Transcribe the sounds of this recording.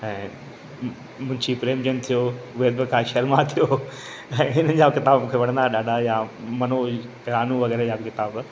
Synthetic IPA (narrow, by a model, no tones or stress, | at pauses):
ɛ̃ː | mʊ̃ɦɪ̃ɲd͡ʑipɾeːmd͡ʑənt̪ʰijoʋɪed̪bɪkʰaʃɐɾmãt̪ʰijo | ɛ̃ːɦɪn̤əd͡ʑakɪt̪aːbmũːkʰeʋɐɽə̃nd̪aɗaːɗajamɐno | ɪɾaːnũʋɐɣɛːɾejaːbɪkɪt̪aːb